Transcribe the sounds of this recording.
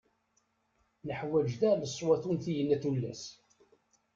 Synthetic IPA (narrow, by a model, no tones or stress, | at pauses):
nəħwæd͡ʒðæləsˤːwɑθunθijənːæθulːæ̰s